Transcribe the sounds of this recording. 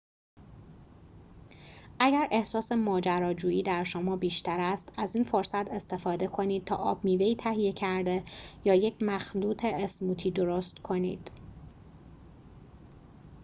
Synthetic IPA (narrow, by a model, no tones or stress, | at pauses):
ʔæɟæɾʔe̞hsɒːse̞mɒːd͡ʒæɾɒːd͡ʒuːjiːd̪æɾʃomɒːbiːʃt̪æɾæst̪æziːnfoɾsæt̪ʰe̞st̪e̞fɒːd̪e̞kʰo̞niːd̪̚t̪ʰɒ̰ːʔɒːb̚miːveiːt̪ʰæɦije̞cʰæɾd̪e̞jɒːjecʰmæxluːt̪ʰe̞ːsmuːt̪ʰiːd̪o̞ɾost̪kʰo̞nḭːd̪̥